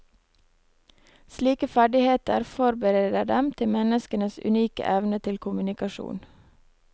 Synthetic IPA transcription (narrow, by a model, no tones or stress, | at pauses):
sliːkəfæɖɪheːt̪ə̰ɾfɔɾbəɾeːd̪əɖɛmt̪ʰɪmɛnəskənəsʉ̰niːkə̰ʔɛʋnət̪ʰɪlkʰʊmʉnɪkɑʃṵːn